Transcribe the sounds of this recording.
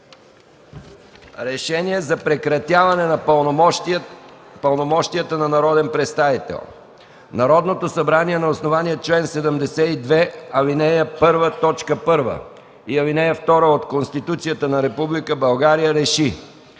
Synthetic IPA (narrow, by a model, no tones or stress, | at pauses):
ɾɛʃɛniɛzɐpɾɛkɾɐt̪ʲjavɐnɛnɐ | pəlˠnomɔʃt̪ijət̪ənɐnɐɾɔd̪ɛnpɾɛt̪st̪avit̪ɛ̰lˠ | nɐɾɔd̪not̪osɐbɾaniɛnɐosnovaniɛt͡ʃlɛnsɛd̪əmd̪ɛsɛid̪vɛɐvinɛjəpɤɾvət̪ɔt͡ʃkəpɤɾvə̰ | iɐvinɛjəft̪ɔɾəot̪konst̪it̪ut̪sijət̪ənɐɾɛpublikəbɐlˠɡaɾijəɾɛʃi